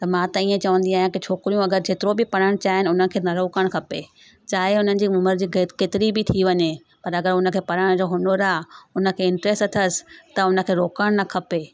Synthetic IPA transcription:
t̪ɐmãːt̪ɐiːẽt͡ɕɐʋə̃nd̪iaːɦjẽkit͡ɕʰoːkɾijũɐɡəɾd͡ʑeːt̪ɪɾobɪpɐɽ̤əɽ̃t͡ɕaːɦɪnɪʊn̤ən̆kʰeːnɐɾoːkəɽ̃kʰɐpe | t͡ɕaːɦeʊn̤ənɪ̆d͡ʑiːʊməɾd͡ʑiːkekeːt̪ɪɾibɪt̪ʰiʋɐɲe | pɐɾɐɡəɾʊnə̆kʰeːpɐɽəɽ̃d͡ʑoːɦʊnoɾaːʊnə̆kʰeːɪ̃ɳʈɾeːsʈɐt̪ʰəsɪ̥t̪ɐʊnə̆kʰeːɾoːkəɽ̃nɐkʰɐpeː

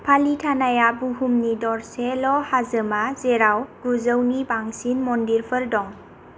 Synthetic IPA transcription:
pʰalitʰanajabuhumnidɔɹsɛlɔhazəmazɛɾawɡ̥uzəwnibaŋsinmɔndiɹpʰəɹdɔŋ

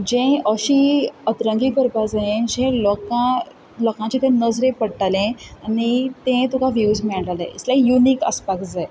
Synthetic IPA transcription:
d͡ʑẽəɕiət̪ɾə̃ŋɡiːkəɾpad͡zaẽd͡ʑẽlɔkã | ləkãt͡ɕĩt̪ẽnəd͡zɾẽpəɽʈalẽanit̪ẽt̪ukaʋjuːd͡zmɛɭlaleislaijuniːkə̰spakd͡zaj

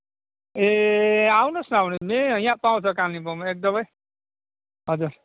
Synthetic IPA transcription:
eawnosnʌawnimejãpaw̃t͡sʰʌkanibʌmek̚d̪ʌmʌj | ɦʌd͡zuɾ

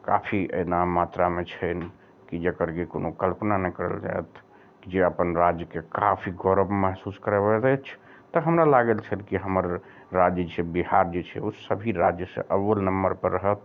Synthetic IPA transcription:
ka̰pʰiḛnamat̪ɾamet͡ʃʰən | kid͡ʒekəɾkekonokəlpnanɛkəɾə̰ld͡ʒa̰et̪ | kid͡ʒeəpənɾad͡ʒjəkekapʰiɡɔɾəbməɦsuskəɾebət̪ət͡ʃʰ | t̪əɦəmɾalaɡelt͡ʃʰəlkiɦəməɾː | ad͡ʒjt͡ʃʰɛbihaɾd͡ʒet͡ʃʰɛ̰osəbʱiɾad͡ʒjəsḛʔəʋːəlnəmbəɾpəɾːəɦət̪̚

